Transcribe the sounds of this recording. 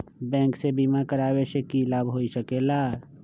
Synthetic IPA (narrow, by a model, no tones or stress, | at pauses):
bɛ̃ːŋksebimakəɾaːweʃekilaːbɦoːisəkeːlaː